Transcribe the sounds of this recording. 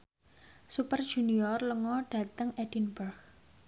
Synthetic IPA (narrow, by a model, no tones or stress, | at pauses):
supər̥ʒ̥uniɔrləŋɔɖ̥ä̤t̪əŋʔed̥inbərɡ